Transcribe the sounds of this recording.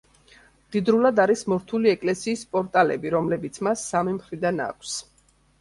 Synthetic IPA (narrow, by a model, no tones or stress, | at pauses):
d̪̥id̪ɾulad̪aɾismɔɾt̪ʰuliɛkʼlɛsiːspʼɔɾt̪ʼalɛ̰biɾɔmlɛbit̪sʰmasːamimχɾid̪ana̰kʷʰs